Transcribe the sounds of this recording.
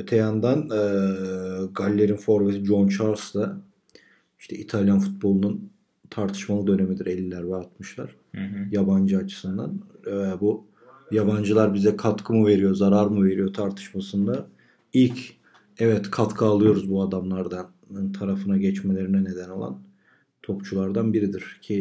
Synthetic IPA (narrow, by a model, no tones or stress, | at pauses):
ø̞t̪ʰejand̪anː | ɡalʲːe̞ɾinfo̞ɾvesid͡ʒo̞nt͡ʃʰaɾsd̪a | iʃt̪ʰɛit̪ʰalʲjanfut̪̚bo̞lˠunun | t̪ʰaɾt̪ʰɯ̥ʃmalˠɯd̪ø̞ne̞mid̪iɾelʲːilʲæɾbaɾat̪mɯʃlˠa̰ɾ̥ | jaband͡ʒɯat͡ʃʰɯ̥sɯnd̪a̰nbu | jaband͡ʒɯlˠaɾbizɛkʰat̪kʰɯmɯve̞ɾijo̞zaɾaɾmɯve̞ɾijo̞t̪ʰaɾt̪ʰɯ̥ʃmasɯnd̪a | ilʲc | ɛvɛt̪kʰat̪kʰɯalˠɯjo̞ɾuzbuad̪amlˠaɾd̪an | t̪ʰaɾafɯnaɟɛt͡ʃme̞lʲe̞ɾinɛne̞d̪æno̞lˠa̰n | t̪ʰo̞pt͡ʃʰulˠaɾd̪anbiɾid̪iɾ̥cʰi